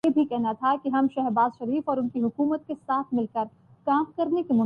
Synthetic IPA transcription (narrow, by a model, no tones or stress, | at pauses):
ebʱikɛɦnat̪ʰakiɦɐmʃɛɦbaːzʃɐɾiːfɔːɾʊnkiɦʊkuːmət̪̚kesaːt̪ʰmɪlkəɾ | kaːmkɐɾnekimʊ